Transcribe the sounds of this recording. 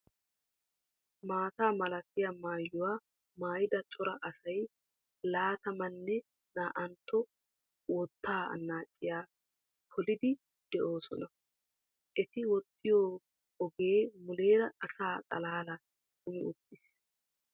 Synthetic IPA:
maːt̪aːmɐlɐt̪ːɪjɐmaːjːʊwaː | maːjɪd̪ɐt͡ʃʼɔɾɐʔɐsɐj | laːt̪ɐmɐnːɛ | naːʔɐnt̪ːɔ | wɔt̪ːaːɐ̰nːaːt͡ʃʼːɪjaː | pʰɔlɪd̪ɪ | d̪̥ɛʔo̞ːsɔnɐ | ʔɛt̪ɪwɔt̪ʰːɪjoː | ɔɡe̞ːmʊle̞ːɾɐːsaːkʼɐlaːlɐ | kʊmɪʊpːɪs

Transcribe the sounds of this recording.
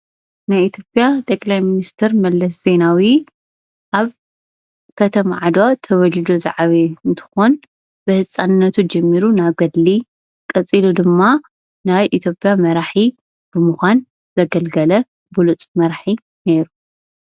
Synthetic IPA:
najit̪ʰjo̞pʼjat̪ʼɐkʼlajminist̪ʰɐɾmɐlːɐsze̞nawi | ʔaβ | kʰɐt̪ʰɐmaʕad̪at̪ʰɐβɐlid̪oza̰ʕaβeɨnt̪ʰɨ̥xon | b̥ɨhɨt͡sʼːanɨnːɐt̪ʰud͡ʒɛmːiɾunaβɡɐd̪li | kʼɐt͡sʼilud̪ɨmːa | najʔit̪ʰjo̞pʼːjamɐɾaħi | b̥ɨmuxʷan | zɐɡɐlɡɐlɐ | bulut͡sʼmɐɾħi | ne̞ɾu

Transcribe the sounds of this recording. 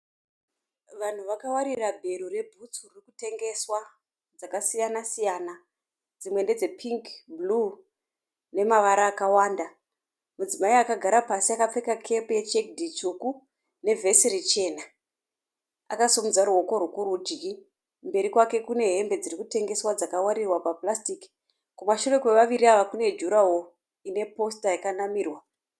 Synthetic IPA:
ʋan̤uʋakawaɾirabʱe̞ɾure̞bʱut͡suririkute̞ŋɡe̞swa | d͡zakasijanasijana | d͡zimwe̞nde̞d͡ze̞pʰiŋkblu | ne̞maʋaɾaːkawaːnda | mud͡zimaiakaɡʱaɾapasiakap͡fe̞kakʰe̞puje̞t͡ʃek̚dʱit͡ʃuku | ne̞vʱe̞sirit͡ʃe̞na | a̰kasomud͡zaɾuo̞ko̞ɾukuɾud͡ʒɡi | mbe̞ɾikwake̞kune̞ɦe̞mbe̞d͡zirikute̞ŋɡe̞swad͡zakawaɾirwapaplastik | kumaʃure̞kwe̞ʋaʋiɾiaʋakune̞d͡ʒuɾaɦo̞ | ine̞po̞stajakanamiːrwa

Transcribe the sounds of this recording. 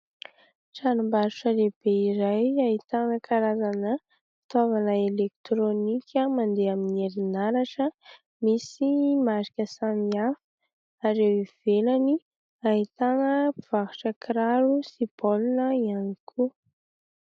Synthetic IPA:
ʈ͡ʂanumbaɾuʈ͡ʂəleb̥eiɾajait̪anəkʰaɾazanə | fi̥t̪avanəelek̚t̪ɾonikʲʰəmand̪eaminieɾinaɾaʈ͡ʂə | misimaɾi̥kʲəsamiafə̥ | aɾewiv̥elani | ait̪anəpiv̥akuʈ͡ʂəkɾaɾusipolunəianikʰu

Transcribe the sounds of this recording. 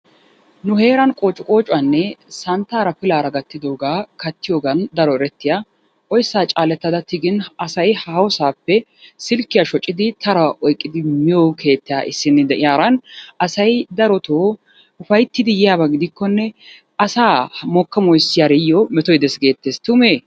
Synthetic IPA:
nʊhe̞ːɾɐnkʼo̞ːt͡ʃʼːʊkʼo̞ːt͡ʃʼʊɐnːɛsɐnt̪ːaːɾɐfɪlaːɾɐɡɐt̪ːɪd̪oːɡaːkɐt̪ːɪjoːɡɐnd̪ɐɾɔɛɾɛt̪ːɪja | ʔɔjsːaːt͡ʃʼaːlɛt̪ːɐd̪ɐt̪ɪɡɪnɐsɐjhaːwɔsaːpːɛ | sɪlkːɪjaʃɔt͡ʃʼːɪd̪ɪt̪ʰɐɾɐʔɔjkʼːɪd̪ɪmɪjoːkʰe̞ːt̪ːɪjaːʔɪsːɪnːɪd̪ɛʔɪjaːɾɐnɐsɐjd̪ɐɾɔt̪oː | ʊfɐjt̪ːɪd̪ɪjɪjaːbɐɡɪd̪ɪkːɔnːɛ | ɐsaːmɔkːɐmɔjsjaɾɛjːɔmɛt̪ɔjd̪ɛsɡe̞ːt̪ːeːst̪ʊmeː

